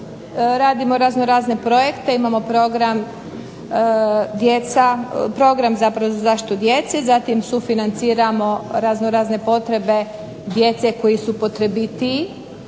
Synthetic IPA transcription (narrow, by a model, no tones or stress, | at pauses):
ɾaːd̪imo̞ɾaznoɾazne̞pɾo̞je̞kt̪e̞imamo̞pɾo̞ɡɾam | d̪jet̪sapɾo̞ɡɾamzapɾaʋozazaʃt̪i̥t̪ud̪je̞t̪sezat̪imsufinant̪siːɾamo̞ɾaznoɾazne̞po̞t̪ɾe̞be̞ | d̪je̞t̪se̞ko̞jisupo̞t̪ɾe̞bit̪ii